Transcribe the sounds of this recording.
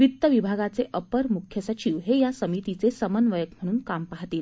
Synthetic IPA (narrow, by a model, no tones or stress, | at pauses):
ʋit̪ːəʋibʱaɡat͡seʔəpəɾmukʰjəsət͡ɕiʋɦejasəmit̪it͡sesəmənʋəjəkm̤əɽ̃uːnkampaɦt̪iːl